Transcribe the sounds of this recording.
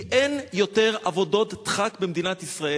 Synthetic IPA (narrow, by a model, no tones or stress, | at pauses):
ʔenjo̞te̞ʁavo̞do̞t̪ːχakbemd̪inat̪isʁae